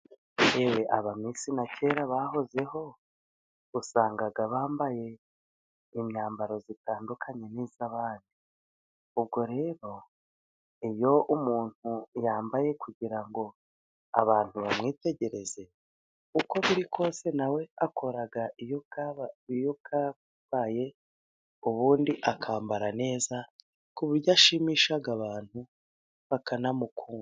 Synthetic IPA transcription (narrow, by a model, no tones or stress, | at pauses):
ewe̞ʔaβamiːsinacʰe̞ːɾaβaho̞ze̞ho̞ | usaːŋɡaɡaβaːmbaje̞ | imɲaːmbaɾo̞zitaːndukʰaɲe̞niːzaβaːndi | ub̚ɡo̞ɾe̞ːɾo̞ | ijo̞ʔumuːn̥hujaːmbaje̞kʰuɟiɾaŋɡo̞ | a̰βaːn̥huβamŋiːte̞ɟe̞ɾe̞ze̞ | uko̞βiɾikʰo̞ːse̞nawe̞akʰo̞ɾaɡaijoɡaijoka | aːje̞ | uβuːndiʔakʰaːmbaɾane̞ːza | kuβiɾɟaʃimiʃaɡaβaːn̥hu | βakanamukuːŋɡu